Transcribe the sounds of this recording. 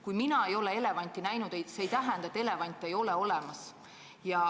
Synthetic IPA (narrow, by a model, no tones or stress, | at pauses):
kujminɑe̞jo̞le̞e̞le̞vɑnʲt̪ːˑinæjnud̪̥ejseejt̪æɦænd̪̥ɑet̪ːˑe̞le̞vɑnʲt̪ːˑe̞jo̞leo̞lemɑs | jɑ